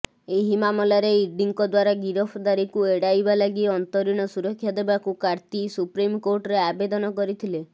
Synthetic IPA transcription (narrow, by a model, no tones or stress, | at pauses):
eɦimamɔlaɾeiɾɖiŋkɔd̪waɾaɡiɾɔpʰɔd̪aɾikueɽajbalaɡiɔnt̪ɔɾiɽ̃ɔsuɾɔkʰːjad̪ebakukaɾt̪isupɾimkoɾʈɔɾeabed̪ɔnɔkɔɾit̪ʰile